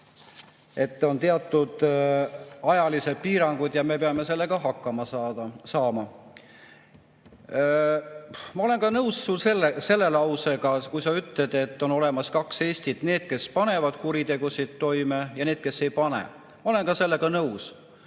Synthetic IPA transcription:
e̞t̪ːˑo̞nt̪e̞ɑt̪ˑːud̪̥ | ɑjɑlise̞d̪̥̚piːɾɑŋɡ̥ud̪̥jɑme̞peɑme̞se̞lːe̞ɡ̥ɑɦɑkˑːɑmɑsɑːmɑ | mɑo̞le̞nkɑnɤwssulselːese̞lːe̞lɑwse̞ɡɑkujsɑyt̪led̪̥e̞t̪ːˑo̞no̞le̞mɑskɑkse̞ːst̪id̪̥ne̞ːd̪̥ke̞spɑne̞vɑd̪̥̚kuɾit̪e̞ɡ̥usid̪̥t̪ːo̞jmejɑne̞ːd̪̥ke̞sːe̞jpɑnḛ | mɑo̞lenkɑse̞lːe̞ɡɑnɤws

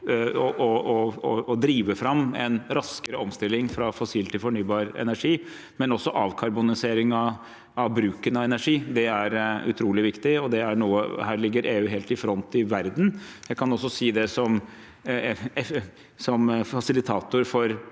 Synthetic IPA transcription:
ɔʔɔɔɔd̪ɾiːʋəfɾɑmːɛnɾɑskəɾəɔmst̪ɪlːɪŋfɾɑfɔsiːlt̪ɪlfɔɳyːbɑːɾɛ̰næʂiː | mɛnɔsːɔʔɑːʋkʰɑɾbʊnɪseːɾɪŋɑ | ɑʋbɾʉːkənɑʋɛnæʂiːd̪ɛæɾʉ̰t̪ʰɾuːlɪʋɪkt̪ɪɔd̪ɛæɳuːə̰hæːɭɪɡːəɾʔeːʉːɦeːlt̪ɪfɾɔnt̪ɪʋæɾd̪n̩jæɪkʰɑnɔsːɔsiːd̪ɛsɔm | sɔmfɑsɪlɪt̪ʰɑːt̪ʊɾfɔɾ

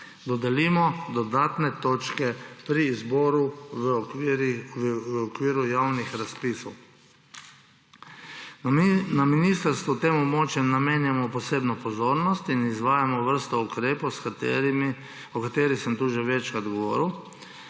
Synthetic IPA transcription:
d̪ɔd̪ɛliːmɔd̪ɔd̪aːt̪nɛt̪oːt͡ʃkɛpɾiːzbɔːɾu | əɔkʋiːɾujawnixɾaspisɔw | naminist̪əɾst̪ʋut̪eːmɔbmɔːt͡ʃjɛmnameːnjamɔpɔseːbnɔpɔzoːɾnɔst̪inizʋaːjamɔʋəɾst̪ɔukɾeːpowsk | ɔkat̪eːɾixsəmt̪uʒɛʋɛt͡ʃkɾad̪ɡɔʋɔ̰ːɾiw

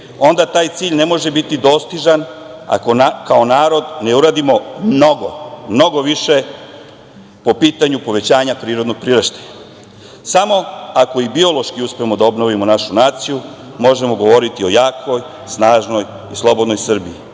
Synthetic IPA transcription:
o̞nd̪at̪aːjt̪siːʎne̞mo̞ʒe̞bit̪id̪o̞ːst̪iʒan | a̰ko̞kao̞naːɾo̞d̪ne̞uɾaːd̪imo̞mno̞ɡomno̞ɡo̞ʋiʃe | po̞piːt̪aɲupo̞ʋe̞t͡ɕaːɲapɾiːɾod̪noɡ̚pɾiːɾeʃt̪e̥ | samo̞ako̞ibio̞lˠo̞ʃkiuspeemo̞d̪ao̞bno̞ʋimo̞naʃunaːt̪siju | mo̞ʒe̞mo̞ɡo̞ʋo̞ɾit̪io̞jaːkʋo̞j | snaːʒno̞j | islˠo̞bod̪no̞jsr̩bii

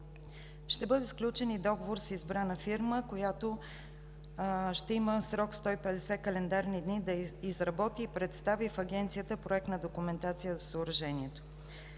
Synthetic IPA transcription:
ʃt̪ɛbɤd̪ɛsklʲut͡ʃɛnid̪ɔɡovoɾsizbɾanəfiɾməkojat̪o | ʃt̪ɛiməsɾɔkst̪ɔipɛd̪ɛsɛkɐlɛnd̪aɾnid̪nid̪ɐizɾɐbɔt̪iːpɾɛt̪st̪avifɐɡɛnt̪sijət̪əpɾoɛk̚t̪nəd̪okumɛnt̪at̪sijəzɐsəoɾɐʒɛniɛt̪o̥

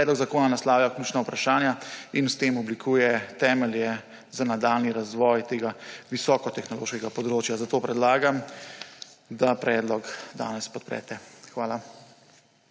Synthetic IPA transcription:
ɛd̪lɔɡzakoːnanaslaːwjakluːt͡ʃnawpɾaʃaːnjainst̪eːmɔblikʰuːjɛt̪ɛːmɛljɛ | zanad̪aːlniɾazʋɔːjt̪eːɡaʋisɔːkɔt̪ɛxnɔlo̰ːʃkɛɡapɔd̪ɾoːt͡ʃjazat̪oːpɾɛd̪laːɡam | d̪apɾɛːd̪lɔkd̪a̰ːnɛspɔt̪̚pɾɛ̰ːt̪ɛxʋaːla

